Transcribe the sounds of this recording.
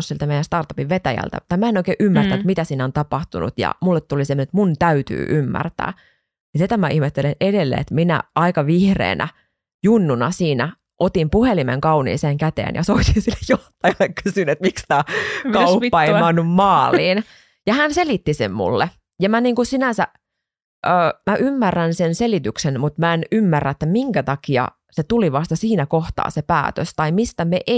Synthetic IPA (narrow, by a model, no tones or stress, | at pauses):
silt̪æmejænst̪ɑrt̪ɑpiʋʋet̪æjæ̰lt̪æ̰t̪ɑmæenoikeːʔymːært̪æt̪mit̪æsiːnæont̪ɑpɑht̪unṵt̪jɑ̰mulːet̪t̪ːulisemːnet̪munt̪æyt̪y̰ːʔymːæ̰rt̪æ̰ː | nisit̪æmæihmet̪ːelenedelːḛḛt̪minæ̰ʔɑikɑʋihrḛːnʔæ̰ | junːunɑsiːnæ | ʔot̪impuhelimḛŋkɑunḭːseːŋkæt̪ḛːnjɑ̰soit̪insilːejjoht̪ːɑjɑlːekkysynet̪mikst̪æːkɑupːɑeimmæonːummɑːliːn | jɑhænselit̪ːisḛmmṵlːe | jɑmæniːŋkusinænsæ | ʔøːmæʔymːærːænsenselit̪yksenmut̪mæenymːærːæet̪ːæmiŋkæt̪ɑkiɑ̰ | set̪uliʋɑst̪ɑsiːnækoht̪ɑ̰ːsepæ̰ːt̪ø̰st̪ɑimist̪æmeʔe